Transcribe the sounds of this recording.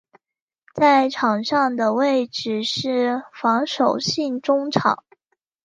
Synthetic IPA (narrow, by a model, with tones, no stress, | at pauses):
t͡sa˥˩ɪʈ͡ʂʰɑ˨˩ŋʂɑ˥˩ŋd̪ə˩we˥˩ɪʈ͡ʂɻ̩˨˩ʂɻ̩˥˩fɑ˧˥ŋʂo˨˩ʊɕi˥˩ŋʈ͡ʂʊ˥ŋʈ͡ʂʰɑ̰˨˩˦